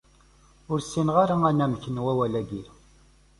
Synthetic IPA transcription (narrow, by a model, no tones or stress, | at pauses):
ʊɾsinʁaɾaænæmçənwæwælæɡi